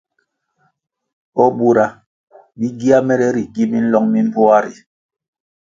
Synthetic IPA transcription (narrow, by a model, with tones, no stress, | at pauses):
ɔ˦ɓu˦ɾa˨ | bi˦ɡi˦a˦mɛ˦ɾɛ˦ɾi˨ɡi˦mi˦n̩˦lɔ˦ŋmi˦m̩˦bɔ˦a˦ɾi˨